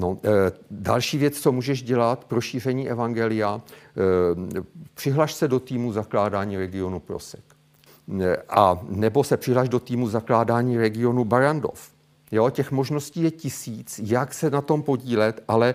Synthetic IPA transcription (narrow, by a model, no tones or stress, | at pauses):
no̞dalʃiːvjɛt͡st͡somuːʒɛʃɟɛlat̪pɾo̞ʃiːr̝ɛɲiːʔɛvaŋɡɛlɪja | pr̝̥ɪɦlaʃsɛdo̞t̪iːmuzaklaːdaːɲiːɾɛɡɪo̞nuplo̰sɛ̥k | ʔanɛbo̞sɛpr̥ɪɦlaʒdo̞t̪iːmuzaklaːdaːɲiːɾɛɡɪo̞nubaɾando̞̰f | jo̞cɛxmo̞ʒno̞sciːjɛcɪsiːt͡sjaksɛnat̪o̞mpo̞ɟiːlɛt̪ʔalɛ